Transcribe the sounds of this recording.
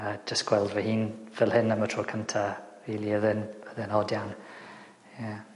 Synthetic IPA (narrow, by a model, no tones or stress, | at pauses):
ad͡ʒəsɡ̥wɛlˠdvəhiːnvɛlˠhɪnəmətʰroːkʰəntʰariːlˠiəðɪnəðɪnɔdjan | ja